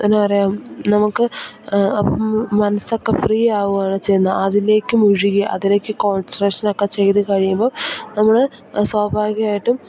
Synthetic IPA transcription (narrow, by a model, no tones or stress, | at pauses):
enːɨpɐrɐjaːmnɐmukːɨ | ɐpːomɐnɐso̞kːefriːaːʋuaːɳɨt͡ɕe̞jnːɐɐðile̞ːkʲːɨmuɻiɣiʔɐ̰ðile̞ːkːɨko̞ːnsreʂɐnokːet͡ɕe̞jt̪ɨkɐɻijumbo̞ːnɐmːuɭe | swaːbʱaːɡjɐaːjiʈːum